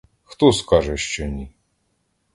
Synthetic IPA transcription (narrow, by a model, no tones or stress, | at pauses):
xt̪ɔskaʐɛʃt͡ʃɔnʲi